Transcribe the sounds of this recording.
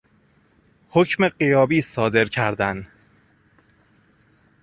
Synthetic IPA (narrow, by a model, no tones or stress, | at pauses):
hocme̞ɢijɒːbiːsɒːd̪e̞ɾcʰæɾd̪æn